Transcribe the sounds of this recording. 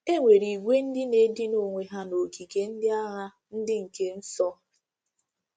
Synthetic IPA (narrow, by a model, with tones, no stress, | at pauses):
e˦ŋʷe˨ɾi˨ɡʷe˦n̩˦dɪ˦ne˦dɪ˦no˨ŋʷe˨ɦa˦no˨ki˨ke˨n̩˦dɪ˦a˦ɦa˦ | n̩˦dɪ˦ŋ̩˨ke˦n̩˦sɔ˦